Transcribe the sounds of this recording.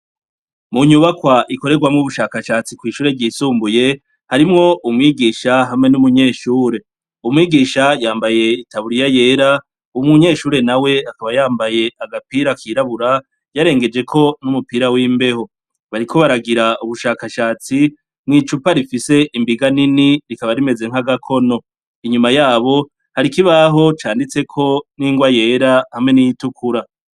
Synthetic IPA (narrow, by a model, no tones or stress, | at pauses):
muɲuβakwaʔiko̞ɾe̞ɡwamŋuβuʃaːkaʃaːt͡sikwiːʃuːɾe̞ɟiːsuːmbuje̞ | haɾimŋo̞ʔumŋiːɡiːʃaɦamŋe̞numuɲe̞ːʃuːɾe̞ | umŋiːɡiːʃajaːmbaje̞itʰaβuɾijaje̞ːɾa | umŋuɲe̞ːʃuːɾe̞nawe̞akaβajaːmbaje̞aɡapiːɾakʰiɾaβuɾa | jaɾe̞ːŋɡe̞d͡ʒe̞kʰo̞numupiːɾawiːmbe̞ɦo̞ | βaɾikʰo̞βaɾaɡiɾaʔuβuʃaːkaʃaːt͡si | mŋiːt͡ʃupaɾifise̞ʔimbiɡaniniɾikaβaɾime̞ze̞ŋ̥aɡakʰo̞no̞ | iɲumajaːβo̞ | haɾikiβaɦo̞t͡ʃaːndit͡se̞kʰo̞niːŋɡwaje̞ːɾahamŋe̞nijitukʰuɾa